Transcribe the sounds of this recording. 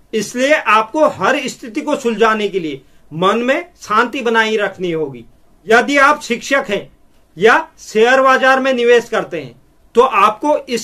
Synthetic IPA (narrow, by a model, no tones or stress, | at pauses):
ɪslieʔaːp̚koɦɐɾɪst̪ʰɪt̪ikosʊld͡ʒaːnekelie | mɐnmẽsãːnt̪ibɐnaːiɾɐkʰniɦoːɡḭː | jɐd̪iaːpʃɪkʃəkɦɛ̃ː | jaseːəɾʋaːd͡ʒaːɾmẽnɪʋeːʃkɐɾt̪eɦɛ̰̃ː | t̪oʔaːp̚koʔɪs